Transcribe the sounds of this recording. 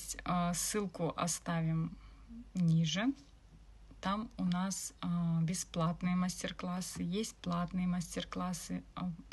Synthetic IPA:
tʲsːɨlˠkʊʔɐ̰st̪avʲɪm | nʲiʐɨ | t̪amʊnasbʲɪsplˠat̪nɨjəmasʲtʲɪrklˠasːɨjesʲt̚ʲplˠat̪nɨjəmasʲtʲɪrklˠasːɨ

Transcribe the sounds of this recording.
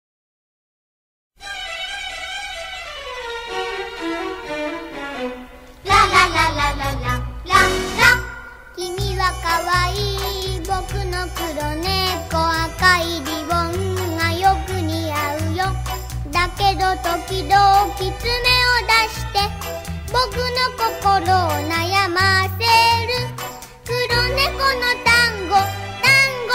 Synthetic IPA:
kʲimiβakaβaiːbokɯnokɯɾoneːkoakaiɾʲiβoŋajokɯ̟ɲ̟iaɯ̟jo | d̪aked̪ot̪okʲid̪oːkʲit͡sɨme̞od̪aɕi̥t̪e̞ | bokɯ̟nokokoɾonajamaseɾɯ | kɯɾone̞konot̪aŋɡot̪aŋɡ

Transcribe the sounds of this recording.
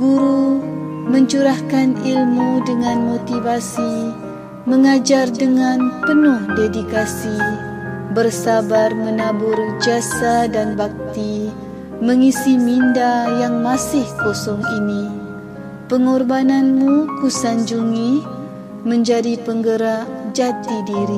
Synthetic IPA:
ɡuɾu | mə̃ɲt͡ʃuɾahkanilmudəŋãnmot̪ivasi | məŋad͡ʒardəŋãnpənʊhdedikasi | bərsabarmənabʊrd͡ʒasadanbak̚t̪i | məŋisimindajaŋmasɪhkosɔŋini | pəŋɔrbananmukusaɲd͡ʒuŋi | məɲd͡ʒadipəŋɡəɾaʔd͡ʒat̪idiɾi

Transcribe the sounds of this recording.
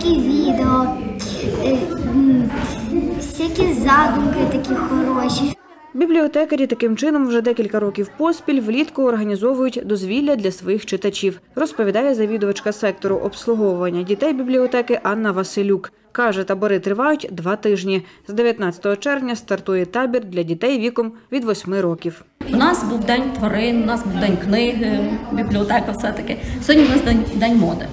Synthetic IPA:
kʲiʋʲid̪eɔ | sʲɐkʲizɑd̪ʊmkɪt̪ɐkʲixɔɾɔʃi | bʲiblʲiɔt̪ɛkɐɾʲit̪ɐkɪmt͡ʃɪnɔmwʒɛd̪ɛkʲilʲkɐɾɔkʲiwpɔspʲilʲʋlʲit̪kʊːrɦɐnʲizɔʋʊjʊtʲd̪ɔzʲʋʲilʲːɐd̪lʲɐsʋɔjixt͡ʃɪt̪ɐt͡ʃʲiw | rɔspɔʋʲid̪ɑjɛzɐʋʲid̪ʊʋɐt͡ʃkɐsɛk̚t̪ɔɾʊʔɔpslˠʊɦɔwʊʋɐnʲːɐdʲit̪ɛjbʲiblʲiɔt̪ɛkɪʔɑnːɐʋɐsɪlʲuk | kɑʒɛt̪ɐbɔɾɪt̪ɾɪʋɑjʊtʲd̪ʋɑt̪ɪʒnʲizd̪eʋʲjɐt̪nɑt͡sʲɐ̥t̪ɔɦɔt͡ʃɛrʋnʲɐst̪ɐrt̪ujɛt̪ɑbʲird̪lʲɐdʲit̪ɛjʋʲikɔmʋʲid̪ʋɔsʲmɪɾɔkʲiw | wnɑsbuwd̪ɛnʲt̪ʋɔɾɪnʊnɑsbuwd̪ɛnʲknɪɦɪbʲiblʲiɔt̪ɛkɐwsɛt̪ɐkɪsʲɦɔdʲnʲinɑsd̪ɛnʲd̪ɛnʲmɔd̪ɪ̰

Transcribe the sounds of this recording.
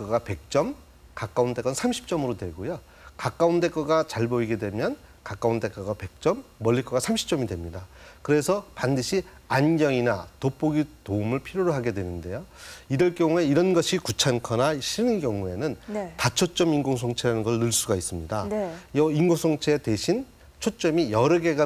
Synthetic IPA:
kɡape̞k̚t͡ɕ͈ʌm | kak͈aunde̞k͈ʌnsʰamɕʰi̥p̚t͡ɕ͈ʌmɯɾodwe̞ɡojo | kak͈aunde̞k͈ʌɡat͡ɕaɭbʌiɡe̞dwe̞mjʌnkak͈aunde̞k͈ʌɡape̞k̚t͡ɕ͈ʌmːʌɭʎːikʰʌɡasʰamɕʰi̥p̚t͡ɕ͈ʌmidwe̞mɲidakɯɾe̞sʰʌpandɯɕʰi | anɡjʌŋinatop͈oɡitoumɯɭpʰiɾjoɾɯɭɦaɡe̞dwe̞nɯnde̞joiɾɯɭk͈jʌŋue̞iɾʌnɡʌɕʰikut͡ɕʰankʰʌnaɕʰinɯnkjʌŋue̞nɯntat͡ɕʰot͡ɕ͈ʌminɡoŋs̬ʰoŋt͡ɕʰeɾanɯnɡʌɭnɯɭs͈uɡais͈ɯmɲidajʌinɡosʰoŋt͡ɕʰe̞te̞ɕʰin | t͡ɕʰot̚t͡ɕ͈ʌmijʌɾɯɡe̞ɡa

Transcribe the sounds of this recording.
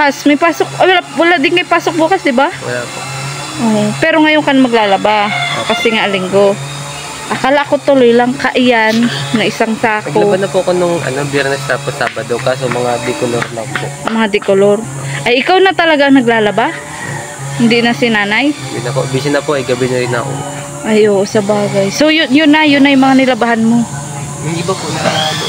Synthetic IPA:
kasmɐjpaːsok̚wlawɐlaʔd̪ɪnmɐjpaːsok̚buːkasd̪ɪbawɐ̰lapo | ʔoːʔpɛːɾoŋɐjoŋkanmɐɡ̚laːlɐbao̰kɐsɛŋaʔɐlɪŋɡo̞ | ʔɐkaːlaʔɐkot̪ʊlojlaŋkɐʔɪjanːɐʔɪsaŋsaːkɐɡolɐbanɐpoʔɐkonoŋɐ̰nobjɛɾnɛsaposaːbɐd̪ɐwkaːsomɐŋad̪ɪkoloɾlaŋpoʔmɐŋad̪ɪkoloɾ | ʔɐjʔɪkawnɐt̪ɐlɐɡaʔɐŋnɐɡlaːlɐbah | hɪnd̪ɪnɐsɪnaːnaj | jʊ̰nɐkoʔbis̬ɪnɐpoʔɐjɡɐbɛnɐɾɪna̰ʔo̰ | ʔajʔoːʔosɐbaːɡajsojʊnjʊnːajʊnːajʊŋmɐŋanɪlɐbahanmo | ɪbapʊna

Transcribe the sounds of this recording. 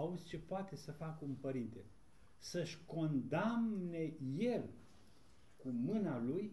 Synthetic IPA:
auzʲt͡ʃe̞poat̪e̞səfakumpəɾint̪e̞ | səʃʲko̞nd̪amne̞je̞l | kumɨnaluj

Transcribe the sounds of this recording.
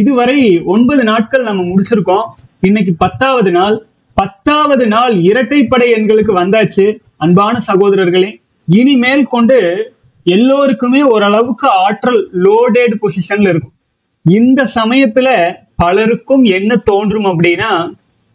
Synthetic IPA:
ɪðɯʋɐɾɐɪɔnbɐðɯnaːʈ̚kɐɭnɐmːɐmʊɽɪt͡ʃːɪɾɯkːõːɪnːɐk̬ːipɐt̪ːaːʋɐðɯnaːl | pɐt̪ːaːʋɐðɯnaːlɪɾɐʈːɐɪpːɐɽɐɪɛnɡɐɭɯk̬ːɯʋɐnd̪aːt͡ʃːɯ | ɐnbaːnɐsɐɣoːðɐɾɐɾɣɐɭeː | ɪnimeːlkɔɳɖɯ | ɛlːoːɾɯkːɯmeːɔɾɐɭɐʋɯkːɯaːʈːɾɐlːoːɖeːɖpɔsɪʂɐnlɪɾɯkːɯm | ɪnd̪ɐsɐmɐjɐt̪ːɪlɐ | pɐlɐɾɯkːɯmɛnːɐt̪oːndrɯmɐpːɐɽɪnːaː

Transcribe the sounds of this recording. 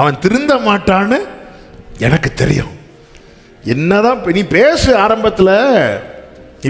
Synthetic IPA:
ɐʋɐ̃nt̪ɪɾɯnd̪ɐmaːʈːaːnːɯ | ɛnɐkːɯt̪ɛɾɪ̰jʊ̰̃ | ɛnːɐðãːpnipeːsɯaːɾɐmbɐt̪ːɪlɐ

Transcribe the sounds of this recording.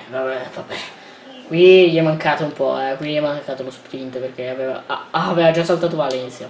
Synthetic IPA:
vabɛvabɛ | kwiʎiɛmːaŋkaːt̪oumpɔɛkwiʎiɛmːaŋkaːt̪olospɾint̪perk̟eaveva̰aveːvad͡ʒasːalt̪aːt̪ovalɛnt̪sja

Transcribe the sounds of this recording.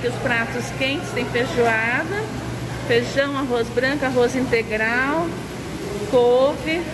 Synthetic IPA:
kɪʊspɾat̪ʊskẽnt͡ʃɪst̪ẽj̃feʒuad̪ɐ | feʒɐ̃w̃aɦozbɾɐ̃ŋkʊaɦozĩnt̪eɡɾaw | kovɪ

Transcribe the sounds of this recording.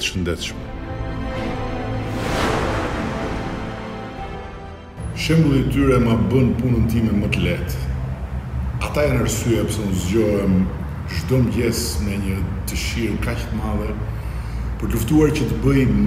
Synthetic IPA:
t̪əʃənd̪ɛt̪ʃmɛ | ʃɛmbəlˠit̪yɾɛmabənpunənt̪imɛmət̪əlɛt̪ | at̪ajanaɾsyjɛpsɛunzɟɔɦɛm | ʒd̪ɔmɟɛsmɛɲət̪əʃiɾkact̪əmaðɛ | pəɾt̪luft̪uaɾcət̪əbəj

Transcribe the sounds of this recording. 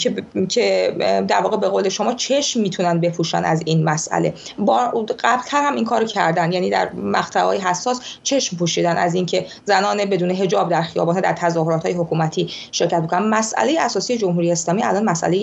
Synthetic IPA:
ecʲʰed̪æɾvɒːɣebe̞ɣoːle̞ʃomɒːt͡ʃʰe̞ʃmːiːt̪ʰunænd̪̚be̞pʰuːʃæ̰næ̰zinmæsʔæ̰le̞ | bɒːɢæblt̪ʰænhæmiŋkʰɒːɾocʰæɾd̪ænd̪jæniːd̪æ̰ɾmæxt̪ʰævɒ̰ːjeɦæsːɒːst͡ʃʰe̞ʃmpʰuːʃiːd̪ænæ̰ziːncʰe̞ | zænɒːnebe̞d̪uːne̞ɦe̞d͡ʒɒːb̚d̪æɾxijɒ̰ːbɒːnhɑːd̪æɾt̪ʰæzɒːho̞ɾɒːt̪hɒːjehokʰuːmæt̪ʰiːʃe̞ɾcʰæt̪mikonænmæsʔæ̰le̞jeæsɒːsiːje̞d͡ʒo̞mɦuɾijeːslɒːmiːælɒːnmæsʔæ̰lej

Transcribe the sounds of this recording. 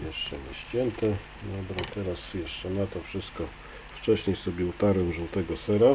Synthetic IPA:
jɛʂt͡ʂɛɲɛɕt͡ɕɛnt̪ɛ | d̪ɔbɾat̪ɛɾasjɛʂt͡ʂɛnat̪ɔfʂɘst̪̚kɔ | ft͡ʂɛɕɲejsɔbʲɛut̪aɾɛwʐuwt̪ɛɡɔsɛɾa

